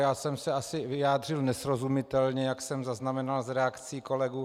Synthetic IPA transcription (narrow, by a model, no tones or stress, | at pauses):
jaːsɛmsɛasɪvɪjaːd̪r̝ɪlnɛsɾozumɪt̪ɛlɲɛjaksɛmzaznamɛnalzɾɛakt͡siːko̞lɛɡuː